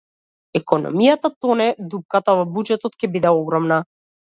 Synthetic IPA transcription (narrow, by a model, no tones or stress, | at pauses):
ɛkɔnɔ̰mijat̪at̪ɔnɛd̪up̚kat̪avɔbud͡ʒɛt̪ɔt̪cɛbid̪ɛɔɡɾɔmna